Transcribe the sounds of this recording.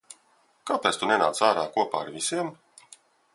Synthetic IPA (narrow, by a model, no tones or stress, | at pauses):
kapɛtst̪unena̰ːt̪saːɾa̰ːkuɔpa̰ːa̰ɾvʲisiɛm